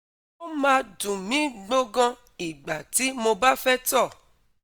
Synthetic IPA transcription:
o˦mãː˧dũ˨mĩ˨˦ɡ͡bo˦ɡã˧ | i˨ɡ͡ba˨ti˨˦mo˧ba˦fɛ˦tɔ˦˨

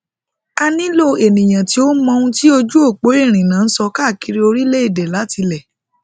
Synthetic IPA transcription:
a˧nĩ˦lo˦e˨nĩ˨j̃ã˨ti˨˦o˦mɔ̃˧ũ˦ti˦o˧d͡ʒu˦o˦˨k͡po˨˦i˦˨ɾ̃ĩ˨nã˨˦n̩˦sɔ˧ka˦˨ki˧ɾi˦o˧ɾi˦le˦i˦˨dɛ˨la˨˦ti˧lɛ˨

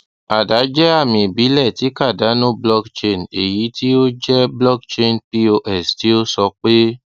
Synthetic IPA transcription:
a˨da˨˦d͡ʒɛ˦a˦˨mĩ˨bi˨˦lɛ˦˨ti˨˦ka˦˨da˨˦nũ˦blɔ˦kt͡ʃe˧ne˨ji˨˦ti˦o˦d͡ʒɛ˦blɔ˦kt͡ʃe˧˦n˨pi˦o˧ʔɛ˦˨sti˦o˦sɔ˧k͡pe˦

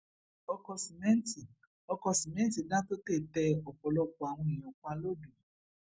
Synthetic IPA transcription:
ɔ˧kɔ˧si˨mɛ̃˦ti˨ | ɔ˧kɔ˧si˨mɛ̃˦ti˨dã˦to˦te˦˨tɛ˧ɔ˨fɔ˨˦lɔ˧kɔ˨a˨w̃ɔ̃˧i˨j̃ɔ̃˨k͡pa˧˦lo˦dũ˨

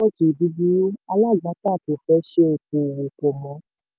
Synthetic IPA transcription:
o˦t͡ʃi˨bi˦bi˦a˧la˦˨ɡa˨˦ta˦˨to˨fɛ˦ʃe˦o˨˧k̚ũ˧˨wũ˧ko˧mɔ̃˧˦

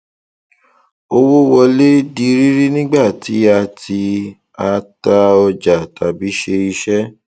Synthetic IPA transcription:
o˧wo˦wɔ˧le˦di˧ɾi˦ɾi˦nĩ˦ɡ͡ba˦˨ti˨˦a˧tʰi˧ | a˧ta˧ɔ˧d͡ʒa˨ta˨bi˨˦ʃe˧i˧ʃɛ˦

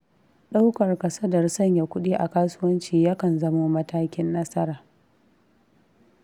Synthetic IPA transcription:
ɗa˦wkɐ˨rkɐ˨sɐ˦dɐ˨rsɐ˦ɲja˨kʷʊ˦ɗiː˦ʔa˨kaː˦sʊ˦wɐ˦nt͡ʃiː˨jɐ˦kɐ˨nzɐ˦moː˦mɐ˦taː˦kʲɪ˦nːɐ˦sɐ˦ɾaː˨

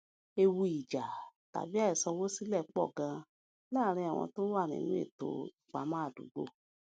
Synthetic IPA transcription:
e˧wu˧i˨d͡ʒa˨ta̰˨bi˨˦a˦ɛ˨sɔ̃˧wo˦si˦lɛ˦˨k͡pɔ̰˦˨ɡã˧ | laː˦ɾ̃ĩ˧a˨w̃ɔ̰̃˧to˦wa˦˨ñḭ̃˨nũ˦ḛ˦˨to̰˨˧i˨k͡pa˨˦mã˦a˦˨dṵ˨˦ɡ͡bo̰˧˨

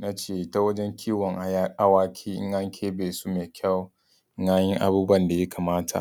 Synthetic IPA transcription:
na˦t͡ʃeː˦˨ʔɪ˨ta˦wɐ˦d͡ʒɛ˦ŋkʲʰiː˦˨wɔ˨ŋʔʔa˦waː˦kʲʰiː˦ʔɪ̰˦ŋʔa˦ŋkʲʰeː˦beː˨su˦meː˨kʲa˦˨w | ŋaː˦jɛ˦ŋʔa̰˨buː˦bɐ˦˨nda˨ja˦ka˨maː˦tʰa̰˨ʔ

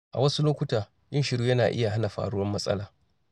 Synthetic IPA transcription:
ʔa̰˨wɐ˦su˦loː˦kʷʊ˦taː˨ | jɪ˦nʃɪ˨ɽjuː˦jɐ˦naː˨ʔɪ̰˦ja˨ɦa˦na˨ɸa̰ː˨ɽʊ˦wɐ˦mːɐ˦sʼɐ̰˦laː˨

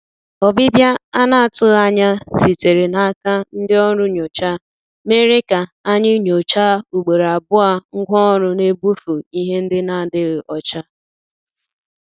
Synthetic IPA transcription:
ɔ˨bɪ˦bja˦a˦na˨a˨tʊ˦ɣa˦ɲa˦si˨te˨ɾe˨na˨a˦ka˦n̩˦dɪ˦ɔ˦ɾʊ˦ɲo˨t͡ʃa˦ | me˦ɾe˦ka˨a˦ɲɪ˦ɲo˨t͡ʃa˦u˨ɡ͡be˨ɾa˨bʊ˦a˦ŋ̩˦ɡʷɔ˦ɔ˦ɾʊ˦ne˦bu˦fu˨i˦ɦe˦n̩˦dɪ˦na˨dɪ˦ɣʔɔ˨t͡ʃa˦

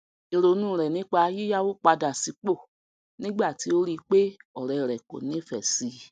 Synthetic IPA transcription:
e˧ɾo˧˦nũː˦˨ɾɛ˨nĩ˨˦k͡pa˧˦ji˦ja˦wo˦k͡pa˧da˨si˧˦k͡po˦˨ | nĩ˦ɡ͡ba˦˨ti˨˦o˦ɾi˧k͡pe˦ɔ˨ɾɛ˨ɾɛ˨ko̰˨nĩ˨˦fɛ˨si˧˦

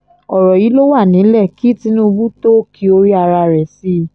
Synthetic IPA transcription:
ɔ˨ɾɔ˨ji˨˦lo˦wa˦˨nĩ˨˦lɛ˦˨ki˨˦˨ti˧nũ˦˧bu˦to˦kʰi˧˦o˧ɾi˦a˧ɾa˧ɾɛ˨si˦

